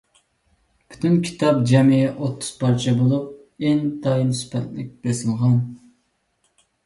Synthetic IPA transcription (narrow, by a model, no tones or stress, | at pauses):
bʰy̥t̪ʰynkʲʰi̥t̪ʰɑp̚d͡ʒɛmɪjɛʔot̪ʰːʊ̥z̥pʰɑɾt͡ʃʰɛbolˠup̚ | end̪ɑjinspʰɛt̪lɪk̚ʲb̥ɪlɪsɨlˠʁɑn